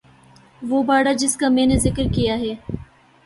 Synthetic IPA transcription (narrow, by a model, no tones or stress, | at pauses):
ʋoːbaːɽad͡ʒɪskamẽːnezɪkəɾkijaɦɛː